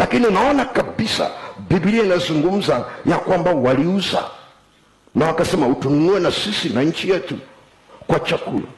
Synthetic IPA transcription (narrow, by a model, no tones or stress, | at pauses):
lakiniunaɔnakabisa̰bibiliainazuŋɡum̩zajakwambawaliuza̰ | nawakasɛmautununuɛnasisinaɲ̩t͡ʃijɛtṵ | kwat͡ʃakṵla̰